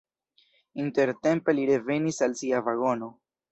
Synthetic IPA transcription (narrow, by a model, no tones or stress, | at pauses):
inte̞ɾte̞mpe̞liɾe̞ve̞nisalsiavaɡo̞no̞